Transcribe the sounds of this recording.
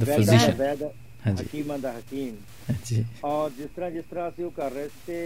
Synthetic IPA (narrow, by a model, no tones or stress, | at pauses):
d̪əɛpːoziʃənbɛːd̪ | hãːd͡ʒḭkiːmãːd̪aːɦəkiːm | hãd͡ʒiːɔːɾd͡ʒɪst̪əɾãːd͡ʒɪst̪əɾãːəsĩːõːkəɾːeesi̥ːt̪eː